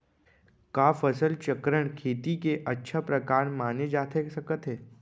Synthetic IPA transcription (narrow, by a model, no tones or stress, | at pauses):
kaːfəsəlt͡ʃɐkɾəɽ̃kʰeːt̪ikeʔɐtːʃʰapɾɐkaːɾmaːned͡ʒaːt̪ʰesɐkət̪ɦɛː